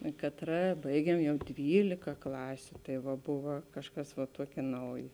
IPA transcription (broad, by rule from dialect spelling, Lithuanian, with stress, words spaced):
eː kɐtˈrɐ ˈbɐɪɡʲiɛm ˈjɛʊ ˈdʲʋʲiːlʲɪkɐ ˈklˠɑːsʲʊ tɐɪ ˈʋɐ ˈbʊʋɐ ˈkɑːʃˌkɐs ʋɐ ˈtuɔkʲeː ˈnɐʊjeː